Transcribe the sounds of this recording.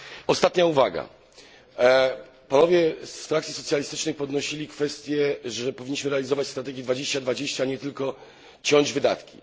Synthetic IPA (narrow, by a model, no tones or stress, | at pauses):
ɔst̪at̪ɲauvaɡa̰ | panɔvʲjɛst̪ɾakt̪sʲisɔt̪sʲjalʲist̪ɘ̥t͡ʂnɘjpɔd̪nɔɕilʲikfɛst̪ʲjɛʐɛpɔvʲiɲːiɕmɘɾɛalʲizɔvat͡ɕst̪ɾat̪ɛɡʲɛd̪vad͡ʑeɕt͡ɕad̪vad͡ʑeɕt͡ɕaɲɛt̪ɘlkɔ | t͡ɕɔɲd͡ʑvɘd̪a̰t̪kʲḭ